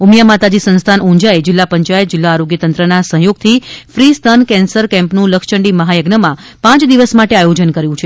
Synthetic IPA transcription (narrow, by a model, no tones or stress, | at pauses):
umjamat̪ad͡ʒisə̃nst̪ʰanũɲd͡ʒaed͡ʒɪlːapəɲt͡ʃajət̪̚d͡ʒɪlːaːɾoɡjət̪ənt̪ɾənasə̃ɦjoɡ̚t̪ʰifɾist̪ʰənkɛ̃nsəɾkɛ̃mpnũləkʃəɳɖiməɦajəɡnəmãpãt͡ʃd̪iʋəsmaʈeajod͡ʒənkəɾjũt͡ʃʰe